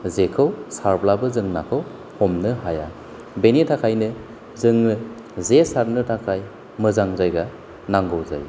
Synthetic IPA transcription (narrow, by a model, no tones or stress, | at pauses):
zekʰɯwsaɾblabɯzɯŋnakʰɯw | hɔmnɯɦaja̰ | benitʰakʰajnɯ | zɯŋnɯ | zesaɾnɯtʰakʰaj | mɯzaŋzajɡa | naŋɡɔwza̰j